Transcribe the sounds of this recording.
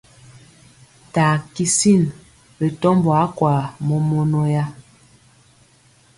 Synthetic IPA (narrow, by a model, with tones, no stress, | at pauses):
taː˨ki˦si˦˨n | ɾe˨tɔ˦mbwa˨˦kwa˨mo˦mo˦no˦ja˦